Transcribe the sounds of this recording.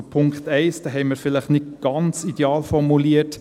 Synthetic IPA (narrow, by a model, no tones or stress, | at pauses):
pʰʊŋkχt̪ɛɪsd̥ɛːɦɛɪməɾfɪləχnɪt̚ɡ̥ɑnt͡sideɑːlfɔɾmuliət